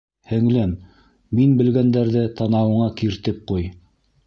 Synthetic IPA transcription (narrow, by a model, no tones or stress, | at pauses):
hɘ̆ŋlæmː | inbɘ̆lɡænd̪æɾðɘt̪ɑnɑwɤ̆ɴɑkiɾt̪ɘp̚quj